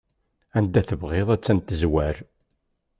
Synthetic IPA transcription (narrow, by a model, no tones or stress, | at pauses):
ænd̪æθəvʁeðˤæt͡sːænt̪ːəzwæɾ